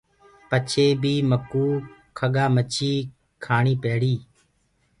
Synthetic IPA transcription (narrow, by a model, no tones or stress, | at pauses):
pət͡ʃʰeːbiːməkuːkʰəɠaːmət͡ʃiː | kʰaːɳiːpeːɽiː